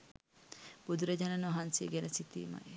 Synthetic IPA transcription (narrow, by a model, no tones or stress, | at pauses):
b̥ud̪ʱuɾɐd͡ʒanɐnoɦansiɡɛnɐsit̪ḭːma̰